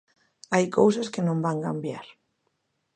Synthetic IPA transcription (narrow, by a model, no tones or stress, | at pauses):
ajkowsaskenõmbaŋkambjaɾ